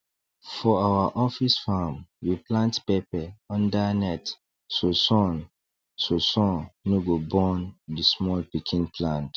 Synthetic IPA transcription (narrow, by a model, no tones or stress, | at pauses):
fɔawaʔɔfisfamwiplãntpepɛɔ̃ndanɛt | sosɔ̃n | sosɔ̃nnoɡobɔ̃ndismɔlpikʰĩnpʰlãnt